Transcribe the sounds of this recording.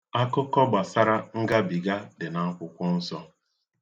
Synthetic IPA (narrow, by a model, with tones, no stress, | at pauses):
a˦kʊ˦kɔ˦ɡ͡ba˨sa˦ɾa˦ŋ̩˦ɡa˦bi˨ɡa˦dɪ˨na˨ŋ̩˦kʷʊ˨kʷʊ˦n̩˦sɔ˦